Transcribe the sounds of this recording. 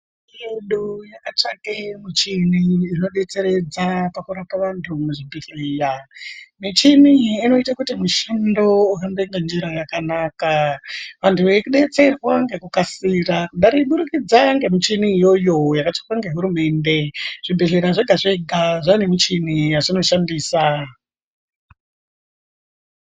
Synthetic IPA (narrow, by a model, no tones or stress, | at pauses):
jeɗujakat͡ʂakemit͡ʃiniːno̞ɗe̞t͡se̞ɾe̞d͡zapakuɾapaʋantʰumuʐibʱiɮijamit͡ʃiniːno̞itakutimuʃando̞uɦambeŋɡend͡ʒiɾajakanakaʋantʰuʋekuɗe̞t͡se̞rwaŋɡe̞kukasirakuɗaɾiɓuɾukid͡zaŋɡe̞mit͡ʃiniːjo̞jo̞jakat͡ʃikwaŋɡe̞ɦuɾume̞nde̞ʐ̥ibʱiɮiɾaʐeɡʱaʐeɡʱaʐanemit͡ʃinijaʐino̞ʃandiːsa